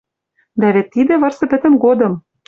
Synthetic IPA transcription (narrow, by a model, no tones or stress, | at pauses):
d̪æβĕt̪ːid̪ɘ̆vɤ̆rsɤ̆pɘ̆t̪ɘ̆mɡod̪ɤ̆m